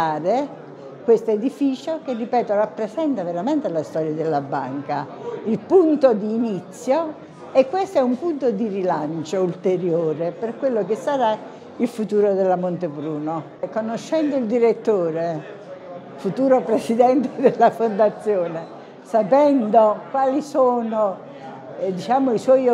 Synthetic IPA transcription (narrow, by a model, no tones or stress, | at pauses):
aːɾe | kwest̪oed̪ifiːt͡ʃokerːipɛːt̪orapːɾesɛnt̪aveɾament̪elast̪ɔːɾjad̪elːabːa̰ŋka | ilpunt̪od̪iːnit̪sːjo | ekːwest̪oɛumpunt̪od̪irilant͡ʃoult̪eɾjoːɾeperkwelːok̬ɪsːaɾa | ilfut̪uːɾod̪elːamont̪ebɾuːno | konoʃːɛnd̪oild̪iɾet̪ːoːɾe | fut̪uːɾopɾesid̪ɛnt̪ed̪elːafond̪at̪sːjoːne | sapɛnd̪okwaːlisoːno | d̪it͡ʃaːmoiswɔj